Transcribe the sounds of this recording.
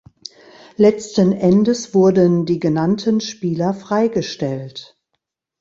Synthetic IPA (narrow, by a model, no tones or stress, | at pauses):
lɛt͡stənʔɛndəsv̥ʊɐdəndiːɡənantʰənʃpiːlɐfʁ̥aɪɡəʃtɛlt